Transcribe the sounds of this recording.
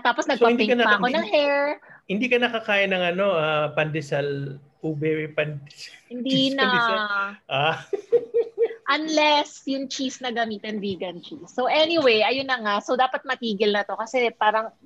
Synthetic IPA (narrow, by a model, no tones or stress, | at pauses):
t̪aːposnɐɡpɐɪnd̪eŋɐpɐɐko̞nɐŋhɛɹhɪnd̪ikɐnɐkɐkaːjɪnɐŋɐno̞apɐnd̪ɛsɐl | ʔubɛpɐnd̪shɪnd̪inɐ | ʔa | ʔɐnlɛsjʊŋt͡ʃisnɐɡɐmiːt̪ɛnviːɡɐnt͡ʃisːoʔɛnɪwejʔɐjonːɐŋasowd̪aːpɐt̪̚mɐt̪iːɡɪlnɐt̪o̞kɐsɛpaːɾɐŋ